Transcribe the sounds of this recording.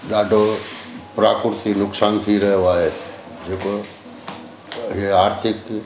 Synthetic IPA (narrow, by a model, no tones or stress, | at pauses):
ɗaːɖʱopɾa̰ːkʊɾt̪inʊksaːnt̪ʰiɾɐɦjoaːɦe | d͡ʒeːko | ɦieaːɾt̪ʰɪk